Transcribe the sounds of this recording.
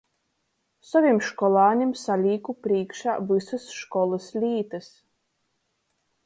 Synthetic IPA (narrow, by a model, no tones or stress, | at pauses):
saviɛmʃkɔlˠɑːɲimsalʲiːkupɾiːkʃaːvɨsɨsʃkɔlˠɨslʲiːt̪ɨs